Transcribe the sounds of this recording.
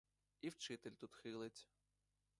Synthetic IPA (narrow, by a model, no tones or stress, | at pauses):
iwt͡ʃɪt̪ɪlʲt̪ut̪xɪlˠɪt͡sʲ